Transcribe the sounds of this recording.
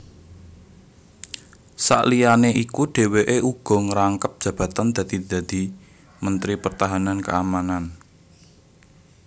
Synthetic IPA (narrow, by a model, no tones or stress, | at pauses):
sa̰ʔlijaneʔikuɖ̥e̤weʔeʔuɡ̥ɔ̤ŋəɾaŋkəp̚d̥ʒ̥ä̤b̥ä̤t̪and̪̥ä̤d̪̥i̤d̪̥a̤d̪̥i̤ | mənt̪ɾipərt̪aɦanankə̰amanan